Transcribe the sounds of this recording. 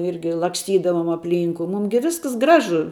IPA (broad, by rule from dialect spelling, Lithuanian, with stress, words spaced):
ˈɪrʲɡʲɪ lˠɐksʲˈtʲiːdɐʋoːm ɐpʲˈlʲiːŋkʊ ˈmuːm ɡʲɪ ˈʋʲɪsks ˈɡrɑːʒʊ